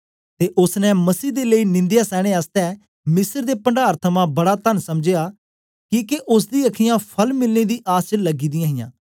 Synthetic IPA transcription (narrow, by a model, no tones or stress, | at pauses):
t̪eːʔʊsnɛ̃məsiːd̪eːləiːnɪ̃nd̪jaːsɛːɽ̃eaːst̪ɛ | mɪsəɾd̪eːpəɳɖaːɾt̪ʰəmãbɐɽaːt̪ənsɐmd͡ʒejaː | kiːkeʔʊs̬d̪iːəkʰɪjãːpʰəlmɪlneːd̪iːʔaːst͡ʃələɡiːd̪ɪjãːɦɪjã̰ː